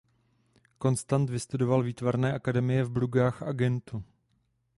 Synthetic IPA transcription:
ko̞nst̪ant̪vɪst̪udo̞valviːt̪vaɾnɛːʔakadɛmɪjɛvbluɡaːxʔaɡɛnt̪u

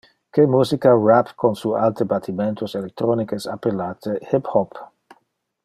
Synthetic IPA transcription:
kemuːsikarapkonsualt̪ebat̪ʰiment̪oselek̚t̪ɾɔnikesapːelaːt̪ehiphɔp

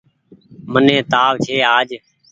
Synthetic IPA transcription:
mənẽːt̪aːʋt͡ʃʰeːaːd͡ʒ

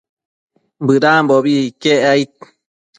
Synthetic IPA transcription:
bɨɾaːmboβikeʔait̪̚

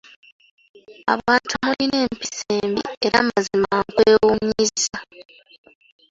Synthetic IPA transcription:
a̰βaːntuahaline̞ːmpi̥seːmbḭeɾa̰ːmazimaŋkweːwumɲiza

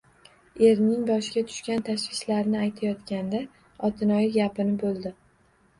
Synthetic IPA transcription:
e̞ɾnɪŋbɒʃɪɡʲat̪ʰʊ̥ʃkʲant̪ʰaʃwɪʃlaɾnɪajt̪ʰajɒt̪kʲand̪a | ɒt̪ʰɪnɒjɪɡʲapɪnɪbolˠd̪ɪ

